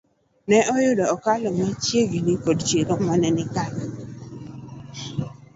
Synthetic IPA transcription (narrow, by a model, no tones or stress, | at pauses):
nɛɔjʊdɔɔkalɔmat͡ʃjeɡinikodt͡ʃeɾɔmanɛnɪkal